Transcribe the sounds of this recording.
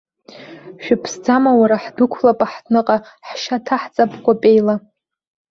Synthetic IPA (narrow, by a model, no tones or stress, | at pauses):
ʃᶣɪpʰsd͡zamawaɾaħdʊkʷʰlapʼaħtʰnɨqʼa | ħʃatʰaħt͡sʼapʰʼɡʷapʼejla